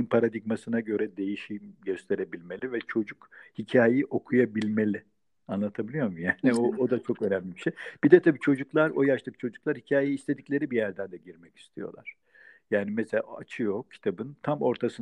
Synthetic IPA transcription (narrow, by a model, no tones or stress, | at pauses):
npʰaɾad̪iɡmasɯnaɟø̞ɾɛd̪e̞jiʃimɟø̞st̪ʰe̞ɾe̞bilʲme̞lʲivɛt͡ʃʰo̞d͡ʒukhicʰaːjeiʔo̞kʰujabilʲme̞lʲɪ | anlˠat̪ʰabilʲijo̞ɾmujaːniood̪at͡ʃʰo̞kø̞næmlʲibiʃejb̥id̪ɛt̪ʰabiːt͡ʃʰo̞d͡ʒuklˠaɾo̞jaʃlˠɯk̚t͡ʃʰo̞d͡ʒuklˠaɾhicʰaːjejiːst̪ʰe̞d̪icʲlʲe̞ɾibijæɾd̪ænd̪ɛɟiɾmɛci̥st̪ʰijo̞̰lˠa̰ɾ̥ | jaːnimɛselʲa̰at͡ʃʰɯjo̞cʰːi̥t̪ʰabɯnt̪ʰamo̞ɾt̪ʰasɯn